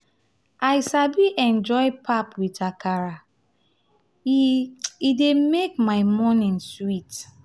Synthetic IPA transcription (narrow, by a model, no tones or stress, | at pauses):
ajsabiʔɛ̃nd͡ʒɔɪpʰapwitakaɹa | idemekmaɪmɔnĩnswit